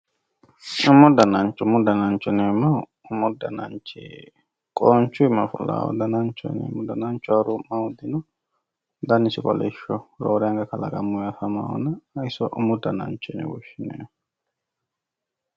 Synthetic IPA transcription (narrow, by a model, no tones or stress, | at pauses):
ʊmʊd̪ɐnɐnt͡ʃʼːʊmʊd̪ɐnɐnt͡ʃʼːɔnemɐ | ʊmʊd̪ɐnɐ̰nt͡ʃeː | kʼɔːnt͡ʃːʊɪmːɐfʊlːa̰ːwɔ̰d̪ɐnɐnt͡ʃːɔ̰nɛ̰ːmɔd̪ɐnɐnt͡ʃːʊaɾʊmʔɐwʊd̪ɪnʊ | d̪ɐnɪsɪkʼɔ̰lɛʃɔɾoːɾɛɐŋɡɐkɐlɐ̰ɡɐmːʊɐfɐma̰wɔnɐːjsɔʔʊmʊd̪ɐnɐ̰nt͡ʃːɛnɛ̰wɔʃːɪnḛː